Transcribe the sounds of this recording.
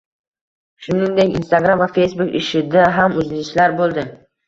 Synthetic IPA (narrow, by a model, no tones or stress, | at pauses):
ʃʊnɪŋd̪ekʲḭnst̪aɡɾamvafe̞jsbukɪ̰ʃɪd̪aɦamɵzɪɪʃlaɾbolˠd̪ɪ